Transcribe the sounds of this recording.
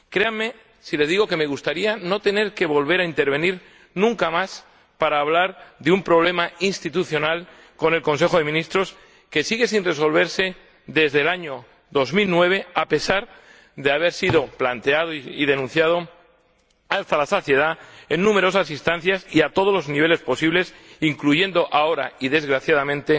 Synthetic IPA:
kɾe̞amːe̞ | sile̞zðiɣo̞ke̞me̞ɣ̞ust̪aɾiano̞t̪e̞ne̞ɾke̞βo̞lβe̞ɾaint̪e̞ɾβe̞niɾ | nũŋkamas | paɾaːβlaɾðeumpɾo̞β̞lemainst̪it̪uθjo̞nal | ko̞ne̞lkõ̞nse̞xo̞ðe̞mĩnist̪ɾo̞s | ke̞siɣe̞sinre̞s̬o̞lβ̞e̞ɾse̞ | ðezðe̞laɲo̞ | ðo̞zmilnwe̞βe̞ape̞saɾ | ðeaβ̞e̞ɾsiðo̞plant̪e̞að̞oið̞e̞nũn̟θjað̞o̞ | ast̪alasoθje̞ð̞ae̞nːũme̞ɾo̞sasinst̪ãn̟θjasiat̪o̞ð̞o̞zlo̞zniβe̞le̞spo̞siβle̞siŋkluʝe̞nd̪o̞ʔao̞ɾa̰iðe̞zɣɾaθjaðamẽ̞nt̪e̞

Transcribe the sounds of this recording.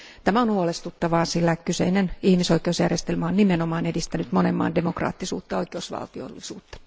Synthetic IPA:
t̪æmæonhuolest̪ut̪ːɑʋɑːsilːækysḛinenihmisoikˑeusjærjest̪elmæonnimenomɑːnedist̪ænyt̪monemːɑ̰ːndemokrɑ̰ːt̪ːisṵːt̪ːɑoikeusʋɑ̰lt̪io̰lːisṵːt̪ːɑ̥

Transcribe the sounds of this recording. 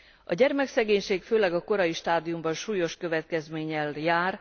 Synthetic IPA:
ɒɟɛrmɛksɛɡeːɲʃeːkføːlɛɡɒko̞ɾɒjiʃt̪aːd̪ijumbɒnʃuːjo̞ʃkø̞vɛt̪̚kɛzmeːɲɛljaːr

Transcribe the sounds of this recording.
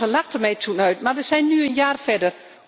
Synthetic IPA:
əlaxtəmɛjtʰunœɥtmarʋəsɛjnːyənjaːrfɛdər

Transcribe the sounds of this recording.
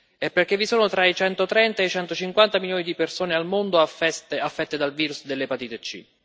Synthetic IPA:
ɛpːerk̟evːisoːnot̪ɾait͡ʃɛnt̪ot̪ɾɛnt̪aet͡ʃɛnt̪ot͡ʃiŋkwant̪amiljoːnid̪ipersoːnealmond̪oaafːɛt̪ːed̪alviːɾusd̪elːepat̪iːt̪et͡ʃːḭ

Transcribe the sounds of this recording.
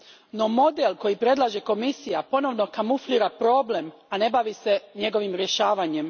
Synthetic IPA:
no̞mo̞d̪elˠko̞jipɾe̞d̪lˠaʒeko̞misijapo̞no̞ʋno̞kamufliːɾapɾo̞ːble̞m | ane̞baʋise̞ɲe̞ɡo̞ʋimɾje̞ʃaːʋaɲem

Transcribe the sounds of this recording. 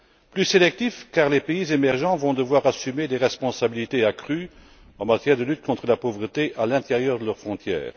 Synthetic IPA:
plyselɛk̚t̪ifkaʁlepeizemɛʁʒɑ̃vɔ̃d̪əvwaʁasymed̪eʁɛspɔ̃sabilit̪eakχy | ɑ̃mat̪jɛːʁd̪əlyt̪̚kɔ̃t̪χəlapovʁət̪eʔalɛ̃t̪eʁjœʁd̪əlœʁfχɔ̃t̪ʰjɛ̰ːʁ

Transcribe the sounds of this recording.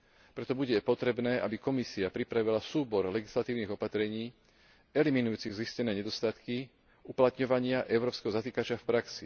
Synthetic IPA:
pɾɛt̪ɔbuɟɛpɔt̪ɾɛbnɛːʔabikɔmisiapɾipɾaʋilasuːbɔɾlɛɡislat̪iːʊniɣɔpat̪ɾɛɲiː | ɛliminujuːt͡siɣziscɛnɛːɲɛd̪ɔst̪at̪ki | uplat̪ɲɔʋaɲɪaʔɛʊɾɔːpskɛɦɔzat̪iːkat͡ʃɪafpɾaksi

